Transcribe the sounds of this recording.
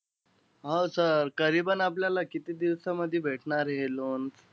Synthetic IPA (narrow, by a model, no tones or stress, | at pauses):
ɦosəɾkəɾibənapljalakit̪iːd̪iʋsaməd̪ʱːjebʱeʈʰɳaɾɦelont͡s